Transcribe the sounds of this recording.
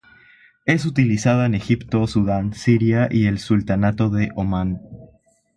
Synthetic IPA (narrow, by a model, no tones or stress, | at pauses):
e̞s̬ut̪ilisaðaene̞xipt̪osuðansiɾjaʔie̞lsult̪anat̪o̞ðe̞ʔomãn